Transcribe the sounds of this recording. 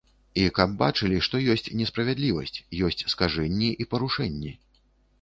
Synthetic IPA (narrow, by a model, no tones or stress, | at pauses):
ikab̚bat͡ʂɨlʲiʂt̪ɔjɔsʲt͡sʲnʲɛspɾɐvʲɛd̪lʲivɐ̰sʲt͡sʲjɔsʲt͡sʲskaʐɛnʲːɛʔipɐɾuʂɛnʲːɛ